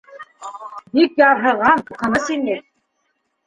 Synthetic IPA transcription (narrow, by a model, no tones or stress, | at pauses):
bikjɑɾɦɤ̆ʁɑnuqʰɤ̆nɤsinɘ